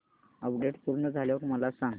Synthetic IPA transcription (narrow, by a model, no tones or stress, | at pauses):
əpɖeʈpulnəd͡zʱaljokməlasãŋɡ